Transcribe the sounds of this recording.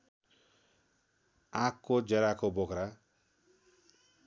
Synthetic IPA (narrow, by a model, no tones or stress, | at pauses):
ãkːod͡zʌɾakobokɾa